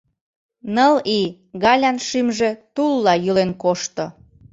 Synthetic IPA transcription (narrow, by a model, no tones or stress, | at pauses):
nəli | ɣɑlʲɑnʃymʒĕt̪ulːɑjylenkoʃt̪ŏ